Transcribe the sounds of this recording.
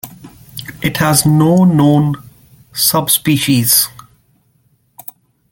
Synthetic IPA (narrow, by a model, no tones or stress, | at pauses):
ʔɪʈhæznoːnõːn | sʌbspiːʃiz̥